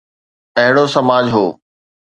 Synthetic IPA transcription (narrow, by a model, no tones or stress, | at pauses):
ɐɦɪɽosɐmaːd͡ʑɦoː